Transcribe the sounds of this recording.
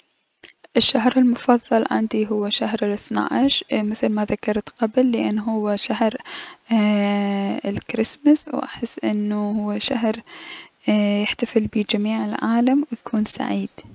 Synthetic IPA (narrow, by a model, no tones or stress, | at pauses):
ʔɪʃːaɦɾɪlmʊfɑðˤːɑlʕɪ̰nd̪iɦʊwːaʃahɾɪlʔɪθna̰ːʔɪʃmɪθlmaðakɑɾˤt̪qablːɪʔanːɦʊwːʃahɾ | ɪlkɾɪsmaswʔa̰ħɪsːʔɪ̰nːuɦʊwːʃaɦɾ | jɪħt̪afɪlbid͡ʒamiːʕɪlʕaːlamwjakʰuːnsa̰ʕiːd̪̥